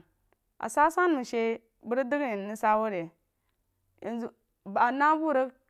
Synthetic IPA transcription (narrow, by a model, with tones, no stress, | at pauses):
a̰˨sa˦sa˦n˦mu˨ʃe˦ | bə˦ɾdi˦ɡni˨ni˦sa˦wo˦ɾe˨ | ja˨nzu˨ | ba˨na˦bu˦˨ɾə˦k